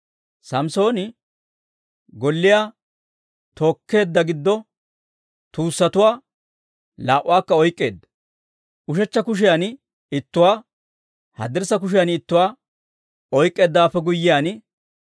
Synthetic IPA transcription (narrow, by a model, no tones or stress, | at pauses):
sɐmso̞ːnɪ | ɡɔlːɪjaː | t̪o̞ːkʰːe̞ːd̪ːɐɡɪd̪ːɔ | t̪uːsːɐt̪ʊwaː | laːʔʊwaːkːɐɔjkʼːe̞ːd̪ːɐ̥ | ʊʃɛt͡ʃːɐkʊʃ̬ɪjan | ɪt̪ːʊwaː | hɐ̰d̪ɛɾsɐk̬ʊʃ̬ɪjanɪt̪ːʊwaː | ɔjkʼːe̞ːd̪ːaːfːɛɡʊjːɪjaːn